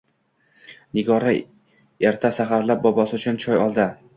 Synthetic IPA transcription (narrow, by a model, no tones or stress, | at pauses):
nɪɡɒɾa | eɾt̪ʰasaχaɾlap̚bɒbɒsɪʊt͡ʃʰʊnt͡ʃʰɒjɒlˠd̪ɪ